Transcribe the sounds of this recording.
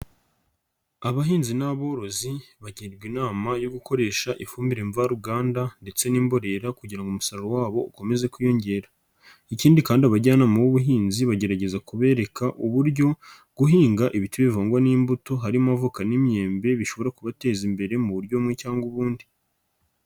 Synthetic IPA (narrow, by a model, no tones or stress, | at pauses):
aβaɦiːnzinaβo̞ːɾo̞ziβaɟiːɾɡwinaːmajo̞ɡuko̞ɾe̞ːʃaʔifuːmbiɾeːɱvaɾuɡaːndande̞t͡se̞niːmbo̞ɾe̞ɾakuɟiɾaŋɡoumusaɾowaːβo̞uko̞me̞ze̞kujo̞ɲɟe̞ːɾa | iciːndikaːndiaβaɟaːnamuwuβuɦiːnziβaɟe̞ɾaɟe̞zakuβe̞ːɾe̞kaʔuβuɾɟo̞ | ɡ̥uɦiːŋɡaʔiβituβivaːŋɡwaniːmbuto̞ɦaɾiamavukanimje̞ːmbe̞βiʃo̞βo̞ɾakuβate̞ːzimbe̞ɾe̞muβuɾjo̞mŋecaːŋɡuβuːndi